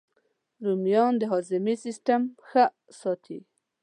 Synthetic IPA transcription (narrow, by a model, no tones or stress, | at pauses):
ɾumjɑnd̪əɦɑzɪmisisʈamxə | sɑt̪ʰi